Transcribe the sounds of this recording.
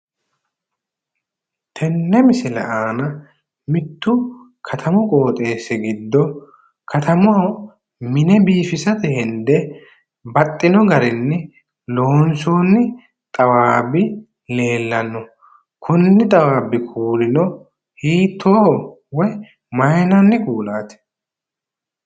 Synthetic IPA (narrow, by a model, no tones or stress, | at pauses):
t̪ʰɛnːɛmɪsɪlɐʔaːnɐ | mɪt̪ːʊ | kʰɐt̪ʰɐmʊkʼoːt̪ʼe̞ːsːɛɡɪd̪ːɔ | kʰɐt̪ʰɐmʊɐw | mɪnɛbiːfɪsɐt̪ɛhɪnd̪ɛ | bɐt̪ʼːɪnɔɡɐɾɪnːɛ | loːnsoːnːɪ | t̪ʼɐwaːbɪ | le̞ːlːɐnːɔ | kʰʊnːɪt̪ʼɐwaːbːɪkʰuːlɪnɔ | hiːt̪ʰːoː | wɔj | mɐjnɐnːɪkuːlaːt̪ɪ̥